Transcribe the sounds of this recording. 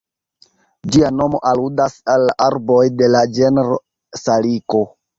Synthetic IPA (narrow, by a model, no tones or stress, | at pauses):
d͡ʒiano̞mo̞̰ʔaludasalːaʔaɾbo̞jde̞lad͡ʒeneɾo | saliko̞